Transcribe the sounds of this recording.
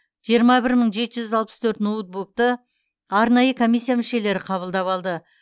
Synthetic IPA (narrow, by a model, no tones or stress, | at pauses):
ʒ̥ijəɾmɑbɪɾməɴʒe̞t̪ɪʒʏzɑlˠpə̥st̪ʰɵɾt̪nowt̪̚buk̚t̪ə | ɑɾnɑjəkʰo̞mʲisːijamʏʃe̞le̞ɾɪqʰɑβəlˠd̪ɑpɑlˠd̪ə